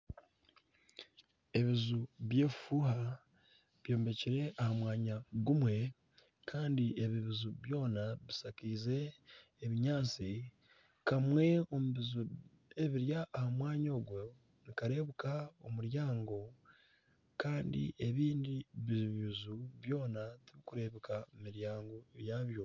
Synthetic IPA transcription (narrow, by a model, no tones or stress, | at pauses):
e̞βizuβje̞ːffuha | βjo̞ːmbe̞ciɾe̞ahamwaːɲaɡumwe̞ | kʰaːndie̞βiβizuβjo̞ːnaβisakiːze̞ː | βiɲaːt͡si | kamwe̞o̞muβizu | e̞βiɾjaːhamwaːɲo̞ːɡwo | nikaɾe̞ːβukao̞muɾjaːŋɡo̞ | kaːndḭʔe̞βiːndiβiβiβizuβjo̞ːnatiβikuɾe̞ːβikaimiɾjaːŋɡo̞jaːβjo̞